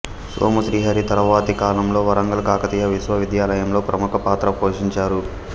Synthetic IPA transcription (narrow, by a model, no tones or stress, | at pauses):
sʋo̰ːmuʃɾiːɦɐɾit̪ɐɾɐʋaːt̪ikaːlɐɳɐmlo̞ːʋɐɾɐŋɡɐlkaːkɐt̪ijɐʋisʋɐʋid̪jaːlɐjɐmlo̞ːpɾɐmukɐpaːt̪ɾɐpoːʂiɲt͡ʃaːɾu